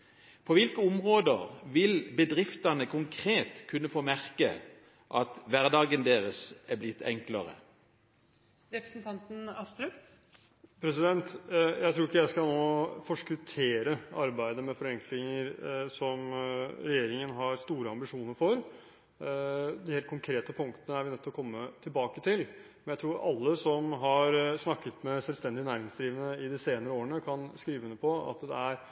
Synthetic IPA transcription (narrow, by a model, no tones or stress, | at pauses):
pʰɔʋɪlkəʊmʁoːd̪əʁʋɪlbəd̪ʁɪft̪ɑnəkʰʊŋkʰɾeːt̪kʰʉnːəfoːmæʁkə̰ | ʔɑt̪ʋæʁd̪ɑːɡənd̪eːʁəsæblɪt̪ʰːɛ̰ŋkləʁə̰ | ɾɛpɾəsnt̪ʰɑnt̪n̩ɑst̪ɾʉ | pʰɾɛsɪd̪ɛnt̪jæɪt̪ʰɾuːɪkːəjæɪskɑlnoːfɔʂkʉt̪ʰeːɾəɑɾbæɪd̪əmɛfɔɾɛŋkʰlɪŋəɾsɔmɾɛjeːɾɪŋənɦɑɾst̪uːɾəɑmbɪʂuːnəɾfɔɾ | d̪ɪheːlt̪kʰʊŋkʰɾeːt̪əpʰʊŋkt̪ənəæɾʋɪnɛt̪ːɔkʰɔmːət̪ʰɪlbɑːkət̪ʰɪlmɛnjæɪt̪ɾuːɾʔɑlːəsɔmɦɑɾsnɑkːət̪mɛsɛlst̪ɛnd̪ɪnæːɾɪŋsd̪ɾiːʋənəɪd̪ɪseːnəɾəoːɾəɳəkʰɑnskɾiːʋənəpʰɔɑ̰t̪d̪ɛ̰æɾ